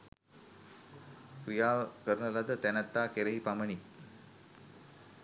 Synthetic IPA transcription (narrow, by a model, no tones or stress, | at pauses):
kɾijaːkəɾənəlad̪ət̪ænat̪ːaːkeɾeɦipaməni